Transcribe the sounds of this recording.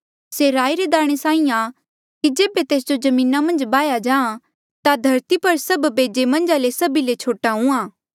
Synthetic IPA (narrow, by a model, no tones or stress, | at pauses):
seɾaːiɾed̪aːɽ̃esaːĩa | kid͡ʒeːbet̪eːs̬d͡ʒozɐmĩːnamɐ̃nd͡ʒbaːjad͡ʒaːã | t̪ad̪ʱɐɾt̪ipɐɾsɐbbʱeːd͡ʒemɐ̃nd͡ʒalesɐbilet͡ʃʰoːʈaɦũãː